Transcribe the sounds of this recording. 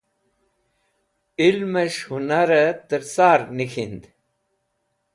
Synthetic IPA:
ilməɕhunaɾət̪əɾsaːɾnixind̪

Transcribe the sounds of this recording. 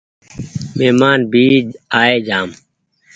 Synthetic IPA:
meːmaːnbʱiːd͡ʒaːeːd͡ʒaːm

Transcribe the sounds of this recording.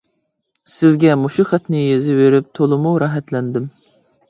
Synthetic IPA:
sɪzɡʲɛmuʃiχæt̪nɪjezɪveɾɪp̚t̪ʰolˠɨmuɾɑɦɛt̪lɛnd̪ɪm

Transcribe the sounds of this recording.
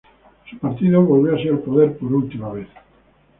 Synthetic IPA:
supaɾt̪iðoβolβjoasialpoðeɾpoɾult̪imaβeθ

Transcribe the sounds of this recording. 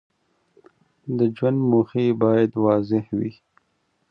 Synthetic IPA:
d̪əd͡ʒwand̪moxibɑːjad̪wɑːzɪhwi

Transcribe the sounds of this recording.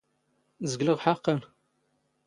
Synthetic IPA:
zəɡləʁħaqəl

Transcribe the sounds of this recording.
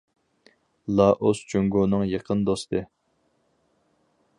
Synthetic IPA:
lˠɑʔost͡ʃyŋɡonɨŋjeqʰənd̪ost̪ʰɨ

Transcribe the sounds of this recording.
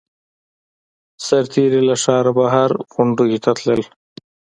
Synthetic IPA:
saɾt̪ʰiɾilaʂɑːɾabaɦaɾɣʊɳɖuɡit̪ʰat̪ləl

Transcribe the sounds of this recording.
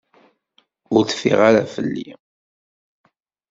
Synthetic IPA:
ʊɾθə̥fḭʁaɾafəlːḭ

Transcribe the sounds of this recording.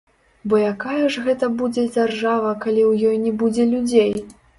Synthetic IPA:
bɔjakajɐʐɣɛt̪ɐbud͡zʲɛd͡zʲarʐavɐkalʲiwjɔjnʲɛbud͡zʲɛlʲud͡zʲej

